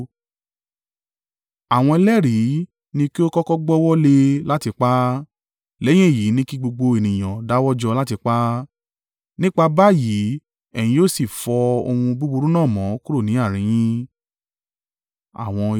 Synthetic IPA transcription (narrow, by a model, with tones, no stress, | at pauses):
a˨w̃ɔ̃˧i˧lɛ˦ɾi˨˦ | nĩ˧ki˦o˦kɔ˦kɔ˦ɡ͡bɔ˦wɔ˦le˧la˦ti˧k͡pa˦ | lɛ˦j̃ĩ˦˨ji˨˦nĩ˦ki˦ɡ͡bo˧ɡ͡bo˧e˨nĩ˨j̃ã˨da˨˦wɔ˦d͡ʒɔ˧la˦ti˧k͡pa˦ | nĩ˦k͡pa˧ba˦ji˨˦ | ɛ˨j̃ĩ˧˦o˦˨si˨fɔ˧o̰˧hũ˧bu˦bu˧ɾu˦nãː˦˨mɔ̃˨˦ku˦ɾo˦˨nĩ˨˦a˦˨ɾ̃ĩ˨˦j̃ĩ˦ | a̰˦˨w̃ɔ̃˧